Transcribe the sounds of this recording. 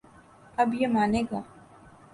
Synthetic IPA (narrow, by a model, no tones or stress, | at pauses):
ɐbjemaːneːɡaː